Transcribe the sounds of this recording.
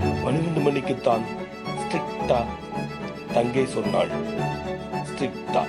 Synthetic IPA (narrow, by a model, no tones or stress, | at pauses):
mɐnɯʋɐɳd̪ɯmɐɳːɪkːɯt̪ːaːn | sʈɾɪkʈːa | t̪ɐŋɡɐɪsɔnːa̰ːɭ | sʈɾɪkʈːa̰ː